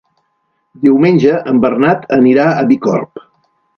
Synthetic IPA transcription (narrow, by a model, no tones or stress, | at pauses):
d̪iwmenʲʒəʔəmbərnat̪ʰəniɾaəβikɔ̰rp